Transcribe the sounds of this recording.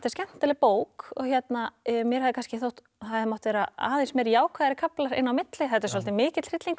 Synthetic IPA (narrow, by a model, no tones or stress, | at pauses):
t̪ḁscɛm̥n̥t̪alɪpoːwkɔɣçjɛt̪namjɛɾhaðɪkanscɪθowht̪ | aðmɔht̪ɪvɛːɾa̰a̰ːðensmejɾjaːwkʰvaːðɾɪkʰaplaɾɪ̰nːawmɪt̪lɪθɛt̪ːaɾs̬wɔlt̪ɪmɪːcɪt̪r̥ɪt̪liŋk